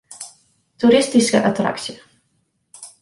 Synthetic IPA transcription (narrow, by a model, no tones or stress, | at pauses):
t̪uɾɪstiskə̰ʔat̪ra̰ksiə